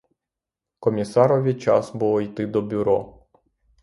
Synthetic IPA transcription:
kɔmʲisaɾɔʋʲit͡ʃa̰sbuɔjt̪ɪd̪ɔbʲʊɾɔ̰

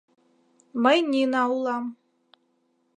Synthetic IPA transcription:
mə̆jnʲinɑulˠɑm

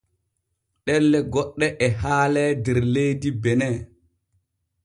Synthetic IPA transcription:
ɗɛlːɛɡɔɗːɛʔɛɦaːlɛdɛɾlejdibɛnɛː

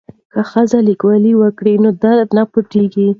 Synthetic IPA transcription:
kaxəzalikwaliwəkɽinod̪aɾd̪napʊʈiɡi

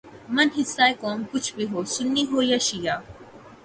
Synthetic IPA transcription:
mɐnɦɪsːaːekoːmkʊt͡ʃʰbiɦoːsʊnːiɦoːjaʃijaː

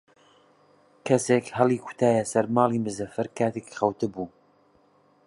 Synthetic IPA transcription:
kʰɐsekhɐlˠiːkʰʊ̥t̪ʰaːjɐsɐɾmɑːlˠiːmɨzɐfɨɾkʰaːt̪ʰeki̥xɐwt̪ɨbuː

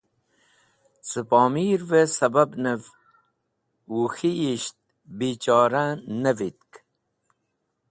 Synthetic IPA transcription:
t͡sɨpɑːmiːɾvesɐbɐbnəv | uxiiɕt̪̚ | biːt͡ɕɑːɾanəvit̪̚k

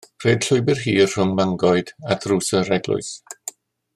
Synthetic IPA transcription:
r̥eːd̥ɬʊɨbɪrɦiːrr̥ʊmmaŋɡɔɨd̥atʰruːsərɛɡlˠʊ̰ɨs

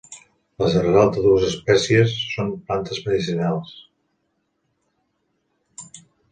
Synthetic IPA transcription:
ləzərɾalˠd̪əðuəzəspɛsiəsːomplant̪əzməðisiunalˠs

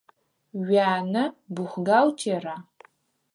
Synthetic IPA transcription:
ɥaːnɨbuχʷɡawtʰeːra

